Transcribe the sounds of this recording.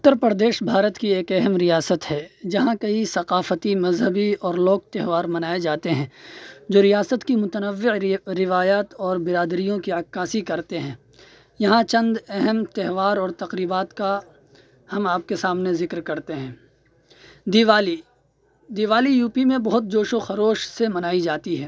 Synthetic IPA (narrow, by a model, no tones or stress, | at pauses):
ʊt̪ːəɾpɾd̪eːʃbʱaːɾət̪kieːkɛɦɛmɾijaːsət̪ɦɛːd͡ʒɐɦãkɐisɐqaːfət̪imɐzɦəbiɔːɾloːk̚t̪ɛɦʋaːɾmɐnaːed͡ʒaːt̪eɦɛ̃ːd͡ʒoːɾijaːsət̪kimʊt̪ənəʋːɪɾɪʋaːjaːt̪ɔːɾbɪɾaːd̪ɾijõkiaːkːaːsikɐɾt̪eɦɛ̃ː | jɐɦãt͡ʃɐ̃nd̪ɛɦɛmt̪ɛɦʋaːɾɔːɾt̪ɐqɾiːbaːt̪ka | hɐmaːp̚kesaːmnezɪkɾkɐɾt̪eɦɛ̃ː | d̪iʋaːli | d̪iːʋaːlijuːpimẽbɐɦʊt̪̚d͡ʒoːʃoxɐɾoːʃsemɐnaːid͡ʒaːt̪iɦɛː